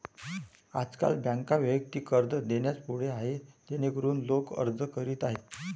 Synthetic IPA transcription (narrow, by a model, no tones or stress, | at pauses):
a̰d͡zka̰lbjãŋkaʋjəək̚t̪iːkəɾd̪əd̪eɳjat͡spuɽ̤eaɦet̪enekəɾuːnlokə̰ɾd͡zəkəɾiːt̪aɦe